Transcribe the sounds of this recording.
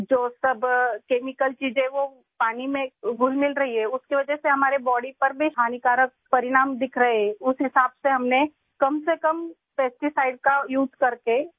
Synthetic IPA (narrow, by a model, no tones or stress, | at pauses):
d͡ʒoːsɐbkeːmɪkəlt͡ʃiːd͡ʒẽʋo | paːnimẽɡʱʊlmɪlɾɐɦiɦɛʊskeʋɐd͡ʒɛseɦɐmaːɾebɔːɽipɐɾbʱiɦaːnikaːɾək̚pɐɾɪɽaːmd̪ɪkʰɾɐɦeʊsɦɪsaːbseɦɐmne | kɐmsekɐm | peːsʈisaːɪɖ̚kajuːzkɐɾke